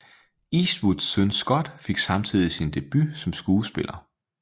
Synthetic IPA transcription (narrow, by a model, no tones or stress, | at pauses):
iswud̥sønsɡ̥ɒ̽d̥fe̝ɡ̥sɑ̈mt͡sʰið̰ˠisind̥e̝b̥ysɒ̽msɡ̥uːsb̥e̝lɐ